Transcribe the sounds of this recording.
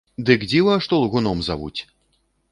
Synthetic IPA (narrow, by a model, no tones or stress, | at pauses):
d̪ɨkd͡zʲivɐʂt̪ɔlˠɣunɔmzavṵt͡sʲ